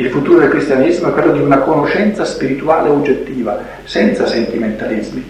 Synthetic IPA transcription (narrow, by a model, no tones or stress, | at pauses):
ilfut̪uːɾod̪elkɾist̪janizmoɛkːwelːod̪iunakonoʃɛnt̪saspiɾit̪ua̰ːleod͡ʒːet̪ːiːva | sɛnt̪sasent̪iment̪alizmi